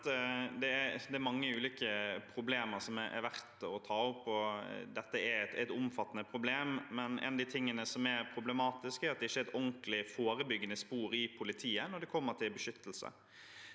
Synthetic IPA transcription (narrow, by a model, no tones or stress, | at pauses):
əd̪ɛæɾd̪ɛæɾmɑŋːəʉːliːkəpʰɾʊbleːməɾsɔmɛʔɛ̰ɾʋæɾt̪ɔt̪ʰɑːʊpːɔd̪ɛt̪ːəɛɾɛt̪æɪt̪ʊmfɑt̪ːənəpʰɾʊbleːmmɛnʔɛ̰nɑd̪iːt̪ʰɪŋːənəsɔmæɾpʰɾʊbləmɑːt̪ɪskæɾɑt̪̚d̪ɛɪçːəɾɛt̪ɔŋklɪfoːɾəbʏɡənəspuːɾɪpʰʊlɪt̪ʰiːənɔɖ̪ɛkʰɔmːəʈʰɪlbəʂʏt̪ːəlsə̰